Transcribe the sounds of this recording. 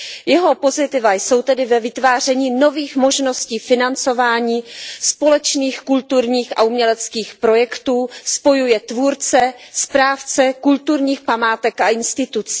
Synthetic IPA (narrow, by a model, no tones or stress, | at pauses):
jɛɦo̞po̞zɪt̪ɪvajso̞wt̪ɛdɪvɛvɪt̪vaːr̝ɛɲiːno̞viːxmo̞ʒno̞sciːfɪnant͡so̞vaːɲiːspo̞lɛt͡ʃniːxkult̪uɾɲiːxa̰umɲɛlɛt͡skiːxpɾo̞jɛkt̪uːspo̞jujɛt̪vuːɾt͡sɛspɾaːft͡sɛkult̪uɾɲiːxpamaːt̪ɛkaʔɪnst̪ɪt̪ut͡si̥